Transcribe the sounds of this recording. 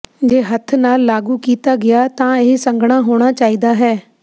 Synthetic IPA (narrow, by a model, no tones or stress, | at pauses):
d͡ʒeːɦət̪ʰnaːlːaːɡuːkiːt̪aːɡɪjaːt̪ãːeɦsə̃ŋɡɽ̃aːɦoːɽ̃aːt͡ʃaːiːd̪aːɦɛː